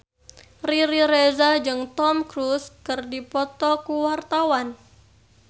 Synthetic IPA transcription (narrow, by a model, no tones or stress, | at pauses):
riɾiɾezad͡ʒɨŋt̪ɔmkɾuskɨrdipɔt̪ɔkuwart̪awan